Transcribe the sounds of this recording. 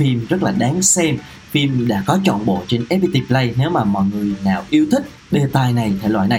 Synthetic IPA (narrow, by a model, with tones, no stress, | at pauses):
fi˧mzə˦˥laː˨˩ɗaː˨˦nsɛ˧m | fi˧mɗa̰ː˧˥kɔ˨˦t͡ɕɔ̰˧˨nɓo̰˧˨t͡ɕe˧nʔɛ˦˥pi˧t̪i˧plə˧jne˨˦wmaː˨˩mɔ̰˧˨jŋɨ˨˩əjnaː˨˩wʔi˧əwt̪ʰï˦˥k̟̚ | ɗe˧t̪aː˧jna˨˩jt̪ʰḛ˧˩lwa̰ː˧˨jna˨˩j